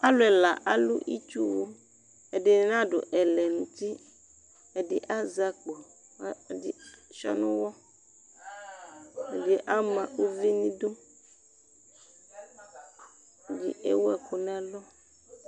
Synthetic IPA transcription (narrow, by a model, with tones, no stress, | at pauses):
a˦lo˨ɛ˨la˨ʔa˦lu˦ʔi˦t͡ʃu˦wo˦ | e˨de˨˦nã˦ɖo˨ʔɛ˨lɛ˨nũ˨t̪i˦ | ɛ˨dɪ˨ʔa˦za˦k͡po˨˦˨ | di˦ʃɔ̰˦nũ˦wɔ˦ | e˨de˨˦ʔa˦mã˨o˦vi˦nĩ˦do˦˨ | d͡ʒḭ˦ʔḛ˦wo˦ɛ˨ko˨nɛ̃˦a˨lɔ˦